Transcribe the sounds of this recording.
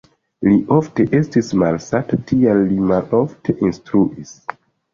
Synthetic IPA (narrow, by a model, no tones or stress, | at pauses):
liʔofteʔestismalsatatʰijalːimalofteʔinstɾuʔis